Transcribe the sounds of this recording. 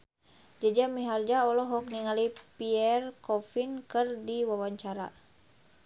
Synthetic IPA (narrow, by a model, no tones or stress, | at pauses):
d͡ʒad͡ʒamiɦard͡ʒaɔlɔɦɔk̚niŋalipiɛrkɔfinkɨrdiwawaɲt͡ʃaɾa̰